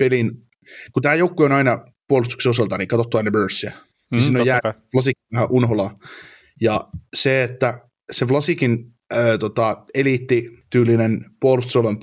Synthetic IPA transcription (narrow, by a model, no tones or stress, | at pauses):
pelin | kut̪æːjoukːuonɑinɑ | puolust̪ukseosɑlt̪ɑniŋkɑt̪ot̪ːuænibøːˑsːiæ | nisiːnːojæːflɑsikːiæhæʔunɦolɑ | jɑseet̪ːæ | seflɑsikin | øːt̪ot̪ɑelit̪ːit̪yːlinenpuolust̪solemp